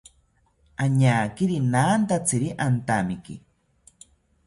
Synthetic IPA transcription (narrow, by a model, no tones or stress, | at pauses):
aɲaːkiɾinaːnt̪at͡siɾiʔant̪amikḭ